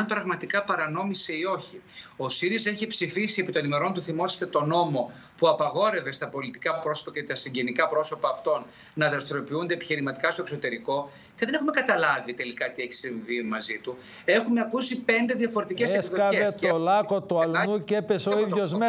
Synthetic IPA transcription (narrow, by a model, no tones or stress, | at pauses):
npɾɐɣmɐt̪ikɐpɐɾɐno̞miseio̞çio̞siɾiseçipsifisie̞pit̪o̞nime̞ɾo̞nt̪uθimo̞sest̪et̪o̞no̞mo̞ | puɐpɐɣo̞ɾe̞ve̞st̪ɐpo̞lit̪ikɐpɾo̞so̥pɐcet̪ɐsiɲɟe̞nikɐpɾo̞so̞pɐːft̪o̞n | nɐðɾɐst̪ɾo̞piund̪eːpiçiɾimɐt̪ikɐst̪okso̞t̪e̞ɾiko̞ | ceðe̞ne̞xume̞kɐt̪ɐlɐvit̪e̞likɐt̪ieçi̥siɱvimɐzit̪u | e̞xumeɐkusipe̞nd̪e̞ðjɐfo̞ɾe̞t̪icesesðoɐevest̪olɐko̞t̪uɐlnucepe̞soiðʝo̞zme